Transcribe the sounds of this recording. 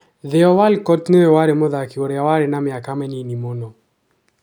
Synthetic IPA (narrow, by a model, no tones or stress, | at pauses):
ðɪɔwalkɔtneɛwaɾɪmɔðakiwɔɾɛawaɾɪnamɪakamɛninimonɔ